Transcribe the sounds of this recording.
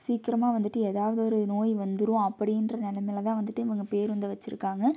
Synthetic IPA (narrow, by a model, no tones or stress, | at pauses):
siːkɪɾɐmaːʋɐnd̪ɯʈːɯeːðaːʋɐðɯɔɾɯnoːjʋɐnd̪ɯɾʊ̃ɐpːɐɽɪndrɐnɪlɐmɪlɐt̪ãːʋɐnd̪ɯʈːɯɪʋɐŋɡɐpeːɾʋɐnd̪ɯʋɐt͡ʃːɪɾɯ̰kːaːŋɡɐ